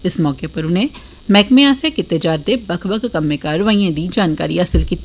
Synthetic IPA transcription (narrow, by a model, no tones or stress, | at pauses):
ɪsmɔːkepɐɾʊn̤ɦẽ | mɛːkmẽãːsekɪt̪ːed͡ʒaːɾd̪ebɐkʰbəkʰkɐmːekaɾʋaːĩãd̪iːd͡ʒaːnka̰ːɾḭɐsəlkiːt̪